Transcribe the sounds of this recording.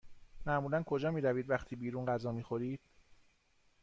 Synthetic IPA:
mæmuːlænkʰo̞d͡ʒɒːmiːɾæviːd̪væxt̪ʰiːbiːɾuːnɢæzɒːmiːxo̞ɾiːd̪̥̚

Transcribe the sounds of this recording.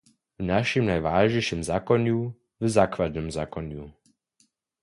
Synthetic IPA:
vnaʃimnajʋaːʒɲɛjʃimzaːkɔɲu | vzaːkʋad̪nɛmzaːkɔɲu

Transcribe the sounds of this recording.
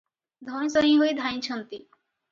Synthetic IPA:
d̪ʱɔnsɔɦĩɦojd̪ʱãj̃t͡ɕʰɔnt̪i

